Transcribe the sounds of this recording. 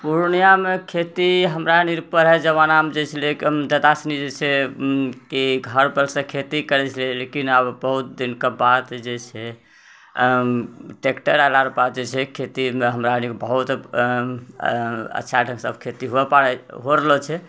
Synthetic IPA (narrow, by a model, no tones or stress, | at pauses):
puɾnijamekʰet̪iɦəmɾaniɾpəɾɦɛd͡ʒəβanamd͡ʒet͡ʃʰɛlekd͡ʒəd̪asnid͡ʒet͡ʃʰɛ | kiɡʱəɾbəlsə̃kʰet̪ikəɾɛt͡ʃʰəlɛlekinəbbəɦut̪̚d̪inkebad̪d͡ʒet͡ʃʰɛ | ʈekʈəɾalaɾbad̪̚d͡ʒet͡ʃʰɛkʰet̪imeɦəmɾanikbəɦut̪ | ə̰tːʃʰaɖʱə̃ŋsə̰bkʰet̪iɦoɛpaɾɛɦoɾəlot͡ʃʰɛ